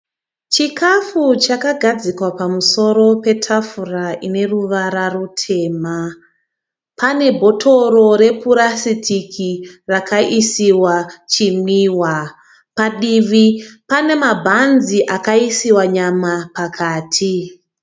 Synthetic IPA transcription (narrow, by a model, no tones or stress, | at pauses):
t͡ʃikʰafut͡ʃakaɡʱad͡zikwapamuso̞ɾo̞pe̞tʰafuraine̞ruʋaɾarutʰe̞ːma | pane̞bʱo̞tʰo̞ro̞ɾe̞puɾasitʰikʰirakʰaʔisiwat͡ʃimwiːwa | paɗiʋipane̞mabʱanziʔakaisiwaɲamapakʰaːtʰi